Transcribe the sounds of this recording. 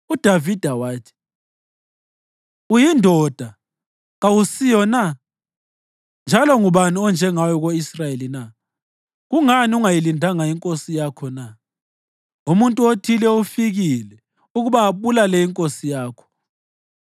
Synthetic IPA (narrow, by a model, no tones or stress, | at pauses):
ud̥ʱavid̥ʱawaːtʰi̥ | ujindʱɔd̥ʱa | ɣawusijɔna | nd͡ʒʱalɔŋuβaniɔnd͡ʒʱɛŋajɔɣoisrajelina | ɣuŋaniuŋajilindʱaŋajiŋkʼosijakʰɔna | umuntʼuotʰilɛufiɣilɛ | uɣuβaːβulalɛjiŋkʼosijaːkʰɔ̥